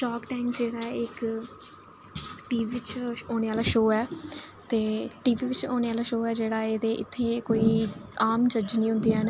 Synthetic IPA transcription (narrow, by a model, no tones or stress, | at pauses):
ʃɔːkʈaːɪmd͡ʒeːɽaːɪk | ʈiːiːɪt͡ʃoːneːaːlaːʃoːɛːt̪eːʈiːʋiːʋɪt͡ʃoːñeːaːlaːʃoːɛːd͡ʒeːɽaːeːd̪eːʔɪ̰t̪ʰːeːkoːiːaːmd͡ʒəd͡ʒnĩːɦʊ̃nd̪iːɛːn